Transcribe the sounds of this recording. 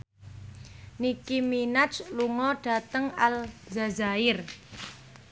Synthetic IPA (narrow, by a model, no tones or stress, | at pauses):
nikiminat͡ʃluŋɔɖ̥ä̤t̪əŋalzazaɪr